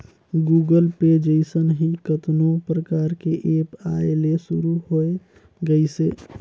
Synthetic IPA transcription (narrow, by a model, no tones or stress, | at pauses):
ɡuɡəlped͡ʒeɪsənɦĩkət̪nopɾəkaɾkeʔepaelesuɾuɦoe | ɡəɪse